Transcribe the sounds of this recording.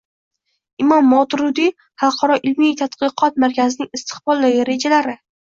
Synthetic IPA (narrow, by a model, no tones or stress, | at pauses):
ɪmɒmːɒt̪ɾʊd̪i | hɑlˠqʰɒɾɒʔɪlmit̪ʰat̪qɨqʰɒt̪̚maɾkʲazɪnɪŋɪst̪ʰɪ̥χbɒlˠd̪aɡʲɪɾe̞d͡ʒalaɾɪ